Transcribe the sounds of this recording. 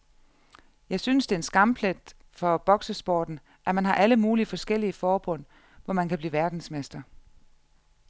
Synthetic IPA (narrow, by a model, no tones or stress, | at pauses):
jɑ̈ɪsynəsd̥e̝ensɡ̥ɑ̈mpʰled̥ | fɒ̽b̥ɒ̽ɡ̥səsb̥ɒ̰ːd̥n̩ | ʔæmænɦɑ̈ʔæləmuːliəfɒ̽sɡ̥el̰iəfɒːb̥ɔ̽n̰ | ʋɒmænkʰæb̥liːʋæɐd̥n̩smesd̥ɐ